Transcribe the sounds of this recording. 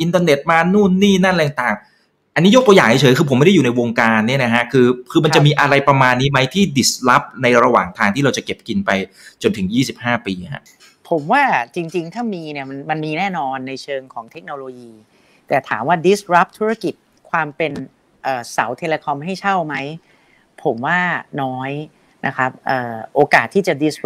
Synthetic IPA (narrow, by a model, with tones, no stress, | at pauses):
ʔi˧nt̪əː˧ne˨˩t̪̚maː˧nuː˥˩nːiː˥˩naː˥˩nla˧˩j̪ŋt̪aː˨˩ŋ | ʔa˧nːiː˦˥jo˦˥t̪u˧jaː˨˩ŋha˦jt͡ɕʰɤː˩˦kʰɯ˧pʰmː˥˩a˥˩ju˨˩na˧jwoː˧ŋkaː˧nːi˥˩ɐna˦˥kʰa˦˥kʰɯː˧kʰɯː˧ma˧nt͡ɕa˨˩miː˧ʔa˧ɾa˧jpɾa˧maː˧nːiː˦˥ma˦˥jt̪ʰiː˥˩di˨˩sla˦˥p̚na˧jɾa˧waː˨˩ŋt̪ʰaː˧ŋt̪ʰiː˥˩ɾa˧wt͡ɕa˨˩ke˨˩p̚ki˧npa˧j | t͡ɕo˧nt̪ʰɯ˩˦ŋjiː˥˩si˨˩p̚haː˥˩piː˧kʰa̰˦˥ʔ | pʰo˩˦mwaː˥˩t͡ɕi˧ŋt͡ɕi˧ŋt̪ʰaː˥˩miː˧ni˥˩ɐma˧nma˧nmiː˧nɛː˥˩nɔː˧nːa˧jt͡ɕʰɤː˧ŋkʰɔː˩˦ŋt̪ʰe˦˥k̚noː˧loː˧jiː˧ | t̪ɛː˨˩t̪ʰaː˩˦mwaː˥˩di˦˥sɾa˦˥p̚t̪ʰuː˦˥ɾa˥˩ki˨˩t̪̚ | kʰwaː˧mpe˧n | ʔəː˨˩sa˩˦wt̪ʰe˧leː˧kʰɔ˧mɦa˥˩jt͡ɕʰa˥˩wma˦˥j | pʰo˩˦mwaː˥˩nɔː˦˥j | na̰˦˥kʰɾa˦˥p̚ʔɤː˨˩ʔoː˧kaː˨˩t̪ʰːiː˥˩t͡ɕa˨˩di˦˥s